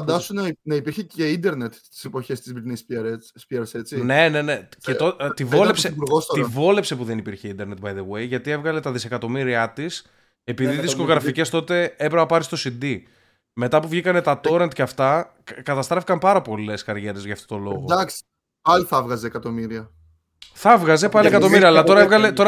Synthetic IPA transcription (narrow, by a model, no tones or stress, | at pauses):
ɐnd̪ɐsunnɐipiɾçeeind̪eɾnet̪t̪i̥sepo̞çe̞st̪izbiɾneisiɾspieɾset͡sine̞ne̞ne̞cet̪ot̪ivolepsepuɾɣost̪ot̪ivo̞le̞pse̞puðe̞nipiɾçe̞ind̪eɾne̞t̪̚bɐjðewejʝɐt̪ie̞vɣɐlet̪ɐðise̞kɐt̪o̞miɾiɐt̪is | e̞piðiðisko̞ɣɾɐfice̞st̪o̞t̪e̞epɾepɐpɐɾist̪o̞sind̪i | me̞t̪ɐpuvʝikɐne̞t̪ɐt̪o̞ɾent̪ceɐft̪ɐ | kɐt̪ɐst̪ɾefikɐmpɐɾɐpo̞le̞skɐɾʝe̞ɾe̞zʝɐːft̪o̞t̪o̞lo̞ɣod̪ɐks | pɐliθɐvɣɐzeːkɐt̪omiɾiɐ | θɐvɣɐze̞pɐliekɐt̪o̞miɾiɐːlɐt̪o̞ɾɐevɣɐlet̪o̞ɾɐ